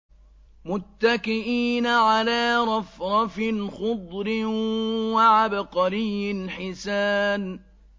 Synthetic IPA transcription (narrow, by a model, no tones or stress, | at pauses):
mʊt̪ːakɪʔiːnaʕalaːɾˤɑfɾˤɑfɪnxʊd̪ˤɾɪwaʕabqɑɾɪjːɪlħɪsaːn